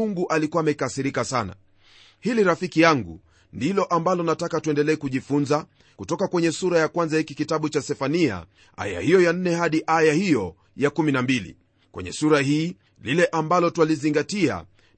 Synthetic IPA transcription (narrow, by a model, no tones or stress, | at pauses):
uŋɡuʔalikuamɛkasiɾikasana̰ | hiliɾafikijaŋɡṵ | ndilɔʔambalɔnatakatuɛndɛlɛːkuʄifunza | kutɔkakwɛɲɛsuɾajakwanzahikikitaɓut͡ʃasɛfania̰ | ʔa̰ja̰hijɔjan̩nːɛɦaɗiʔajahijɔ | jakuminambilḭ | kwɛ̰ɲɛ̰suɾahiː | lilɛʔambalɔtwaliziŋɡatia̰